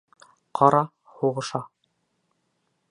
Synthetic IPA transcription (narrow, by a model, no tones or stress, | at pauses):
qʰɑɾɑ | huʁɤ̆ʃɑ